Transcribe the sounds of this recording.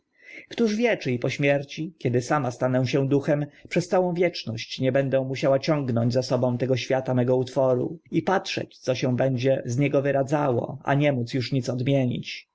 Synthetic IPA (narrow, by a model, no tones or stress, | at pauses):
kt̪uʐvʲjɛt͡ʂɘipɔɕmʲjɛɾt͡ɕikʲjɛd̪ɘsamast̪anɛw̃ɕɛ̃d̪uxɛmpʂɛst̪sawɔ̃w̃vʲjɛt͡ʂnɔɕt͡ɕɲɛbɛnd̪ɛ̃mːuɕawat͡ɕɔ̃ŋɡnɔɲd͡ʑzasɔbɔ̃w̃t̪ɛɡɔɕfʲjat̪amɛɡɔut̪fɔɾṵipatʂɛ̰t͡ɕt̪sɔɕɛ̃bɛɲd͡ʑɛzɲɛɡɔvɘɾad̪zawɔ̰a̰ɲɛmut̪sjuʂɲit̪sɔd̪mʲjeɲḭt͡ɕ